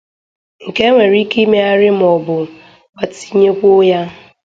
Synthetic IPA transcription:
ŋ̩˨ke˦ŋʷe˨ɾi˦ki˦me˦a˦ɾɪ˦m̩˨ɔ˨bʊ˨ | ɔ˨ti̥˨˦ɲe˦kʷʊ˦ja˦

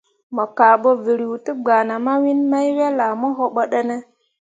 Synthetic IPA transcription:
mo˨ka˨ɓo˦vi˨ɾi˨ti˦ɡ͡ba˨na˨ma˦wi˦nma˦jwe˦la˨mo˦ɦo˦ɓə˦ɗə˦ne˦

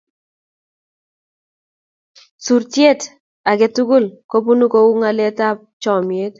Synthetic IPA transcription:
su˨ɾtje˦˨t | a˨ɡe˨tu˦ɡu˦˨lko˦pu˦nu˦ko˦u˦ŋa˨le˦ta˦p̚t͡ʃɔ˨mje˦t

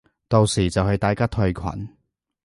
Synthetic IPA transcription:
t̪o˨wsiː˨˩t͡sɐ˨whɐ˨˧ɥt̪aː˨jkaː˥t̪ʰɵ˧ɥkʰwɐ̰˨˩˦n

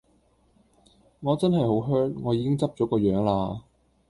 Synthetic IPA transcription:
ŋɔː˨˧t͡sɐ˥nhɐ˨jho˨˥wɦœː˥ŋŋɔː˨˧jiː˨˧kɪ˥ŋt͡sɐ˥p̚t͡ʃɔː˨˥kɔː˧jœː˨˥ŋlaː˧

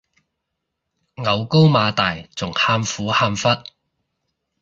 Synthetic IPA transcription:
ŋɐ˨˧wko˥wmaː˨˧t̪aː˨˩jt͡sʊ˨˩ŋhaː˧mfuː˨˥haː˧mfɐ˥t̚

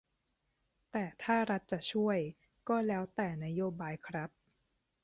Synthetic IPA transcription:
t̪ɛː˨˩t̪ʰaː˥˩ɾa˦˥t̪̚t͡ɕa˨˩t͡ɕʰu˥˩əj | kɔː˥˩lɛː˦˥wt̪ɛː˨˩na˦˥joː˧baː˧jkʰɾa˦˥p̚

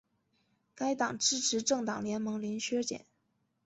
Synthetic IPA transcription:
ka˥ɪt̪ɑ˨˩ŋʈ͡ʂɻ̩˥ʈ͡ʂʰɻ̩˧˥ʈ͡ʂɤ˥˩ŋt̪ɑ˨˩ŋljɛ˧˥nmɤ˧˥ŋli˧˥nɕɥɛ˥t͡ɕjɛ̰˨˩˦n

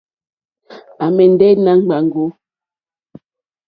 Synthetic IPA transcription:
a˨mɛ˨n̩˦dɛ˦na˨˦ŋ͡m̩˦ɡ͡ba˨ŋ̩˨ɡo˨˦

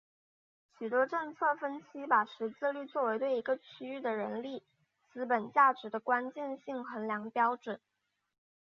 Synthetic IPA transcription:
ɕy˨˩t̪wɔ˥ʈ͡ʂɤ˥˧ŋt͡sʰɤ˥˩fə˥nɕi˥pa˨˩ʂɻ̩˧˥t͡sɹ̩˥˧ly˥˧t͡swɔ˥˩we˧˥ɪt̪we˥˩ɪi˧˥ɡə˧t͡ɕʰy˥y˥˩d̪ə˩ɻə˧˥nli˥˩ | t͡sɹ̩˥pə˨˩nt͡ɕja˥˩ʈ͡ʂɻ̩˧˥d̪ə˧kwa˥nt͡ɕjɛ˥˧nɕi˥˩ŋxə˧˥nljɑ˧˥ŋpjɑ˥ʊʈ͡ʂwə˨˩˦n

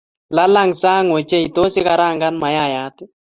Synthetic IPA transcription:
la˦la˦ŋsa˦ŋwe˨t͡ʃe˦i˨t̪o˦sɪ˦ka˨ɾa˦˨ŋɡa˦nma˨ja˦˨ja˨˦t̪ɪ˦

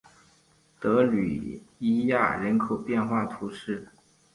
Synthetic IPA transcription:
t̪ɤ˧˥ly̰˨˩i˥ja˥˩ɻə˧˥nkʰo˨˩ʊpjɛ˥˧nxwa˥˩t̪ʰu˧˥ʂɻ̩˥˩

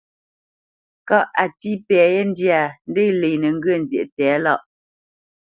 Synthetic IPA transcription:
ka˦˨ʔa˨ti˦pɛː˨je˦n˦dja˨n̩˦de˦jle˨nə˨ŋ̩˦ɡə˦˨n˨zje˨ʔtɛ˨˦la˦˨ʔ

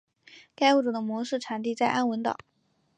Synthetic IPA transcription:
ka˥ɪu˥˩ʈ͡ʂu˨˩d̪ə˦mwɔ˧˥ʂɻ̩˥˩ʈ͡ʂʰa˨˩nt̪i˥˧t͡sa˥˩ɪʔa˥nwə˧˥nt̪ɑ̰˨˩˦ʊ

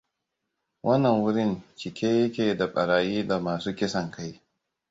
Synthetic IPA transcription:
wʔɐ˦nːɐ˨ŋwʊ˦ɾɪ˦nt͡ʃɪ˨kʲeː˦jɐ˦kʲeː˨da˨ɓʼɐ˨ɾaː˨jiː˦da˨maː˨suː˦kʲɪ˦sɐ˨ŋkʰa˦j

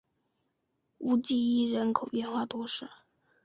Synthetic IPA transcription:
u˧˥t͡ɕi˥˧i˥ɻə˧˥nkʰo˨˩ʊpjɛ˥˧nxwa˥˧t̪wɔ˥ʂɻ̩˥˩

